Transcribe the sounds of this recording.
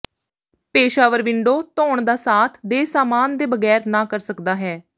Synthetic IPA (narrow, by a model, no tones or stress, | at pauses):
peːʃaːʋəɾʋɪɳɖoːt̪ɔːɳd̪aːsaːt̪ʰd̪eːsaːmaːnd̪eːbəɡɛːɾnãːkəɾsəkd̪aːɦɛː